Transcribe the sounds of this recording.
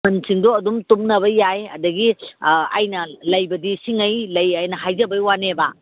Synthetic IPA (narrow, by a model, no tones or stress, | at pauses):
ɐnsiŋdoɐdumtumnɐβɐjajɐ̰dɐɡia̰jnɐlɐjbɐdisiŋɐjlɐjajnɐɦajzɐbɐjwaneba